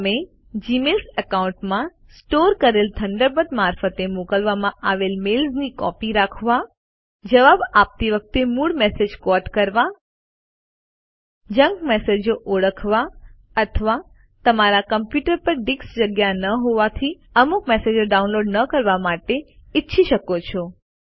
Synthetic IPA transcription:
me | d͡ʒimelsəkaũɳʈmã | sʈoɾkəɾelt̪ʰəɳɖəɾbəd̪maɾfət̪emokəlʋamãʔaʋelmelsnikɔ̰piɾakʰʋa | d͡ʒəʋabap̚t̪iʋək̚t̪emuɽmɛsed͡ʒkɔʈkəɾʋa | d͡ʒə̃ŋɡmɛsed͡ʒoʔoɽəkʰʋa | ət̪ʰəʋa | t̪əmaɾakəmpjuʈəɾpəɾɖiksd͡ʒəɡjanəɦoʋat̪ʰi | əmukmesed͡ʒoɖaunloɖnəkəɾʋamaʈeɪtːʃʰiʃəkot͡ʃʰo

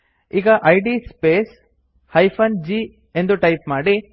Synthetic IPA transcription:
iːɡɐʔɐjɖispeːs | hɐjpʰɐnd͡ʒiː | e̞nd̪uʈɐjpmaːɽi

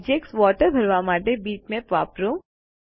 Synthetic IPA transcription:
d͡ʒeksʋɔːʈəɾbʱɐɾʋaːmaːʈebiːt͡ʃmẽpʋaːpɾuːm

